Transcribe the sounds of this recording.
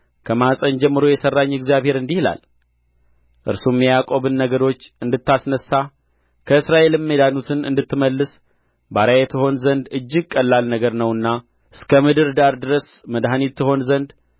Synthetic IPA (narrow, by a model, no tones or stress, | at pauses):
kʰəmasʼənd͡ʒɛmːɨɾojɛsərːaɲːɛɡzijaβhe̞ɾɨnd̪ihla̰l | ʔɨɾsumjɛjakʼo̞bɨnːəɡəɾo̞t͡ʃːɨnd̪ɨt̪ːasnəsːa | kʰəɨsɾaʔe̞lɨmːed̪anut̪ʰɨnɨ̰nd̪ɨt̪ːɨməlːɨs | baɾajɛt̪ʰɨho̞nzənd̪ɨd͡ʒːɪɡ̚kʼːəlːalnəɡəɾnəwɨnːa | ʔɨskʰəmɨd̪ɨɾd̪aɾd̪ɨɾəs | məd̪ɦanit̪ʰːɨɦo̞nzənd̪